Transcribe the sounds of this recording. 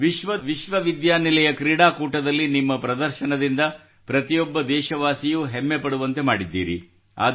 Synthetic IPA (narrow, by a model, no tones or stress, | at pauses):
ʋiʃʋɐʋiʃʋɐʋid̪jaːnilɛjɐkɾiːɽaːkuːʈɐd̪ɐlːinimːɐpɾɐd̪ɐɾʃɐnɐd̪ind̪ɐ | pɾɐt̪ijɔbːɐd̪ɛːʃɐʋaːsijuɦemːepɐɽuʋɐnt̪e̞maːɽid̪ːḭːɾḭ | a̰ː